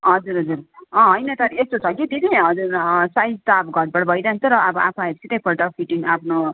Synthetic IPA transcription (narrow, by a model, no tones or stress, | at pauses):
ɦʌd͡zuɾɦʌd͡zuɾʌ̃ɦʌjnʌt̪ʌɾiest̪ot͡sʰʌkit̪iniɦʌd͡zuɾsajd͡zt̪abʌɡʱʌʈ̚bʌɽbʱʌjɾaɦnt͡s̪ʌɾʌʔʌbʌʔapʰaɦesʰit̪ʌpʰʌlʈʌpʰiʈiŋapʰno